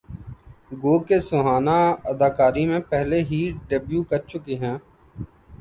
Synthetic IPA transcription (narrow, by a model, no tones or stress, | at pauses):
ɡoːkesʊɦaːnaəd̪aːkaːɾimẽpɛɦleɦiːɖebjuːkəɾt͡ʃʊkeɦɛ̃ː